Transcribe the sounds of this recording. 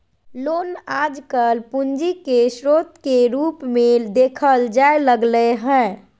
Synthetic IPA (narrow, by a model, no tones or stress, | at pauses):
lonad͡ʒkəlpund͡ʒikesɾot̪keɾupmed̪ekʰəld͡ʒaeləɡləɦɛ̃